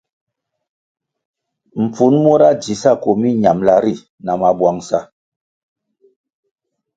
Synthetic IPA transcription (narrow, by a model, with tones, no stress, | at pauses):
m̩˨p͡fu˨˦nmo˦ɾa˦d͡ʒi˨˦sa˦˨ko˨mi˦ɲa˨mla˦ɾi˦˨ | na˨ma˨bwa˨ŋsa˦